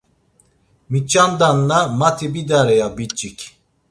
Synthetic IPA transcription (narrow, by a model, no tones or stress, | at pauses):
mit͡ʃʼand̪anlamat̪ʰibid̪aɾɛjabit͡ʃʼːikʲ